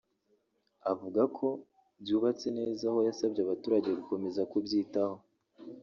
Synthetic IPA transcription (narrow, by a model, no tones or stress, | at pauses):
avuɡakʰo̞ | bjuːβat͡se̞ne̞ːzaho̞jasabɟeaβatuːɾaɟe̞ɡuko̞me̞zakubɟiːtaho̞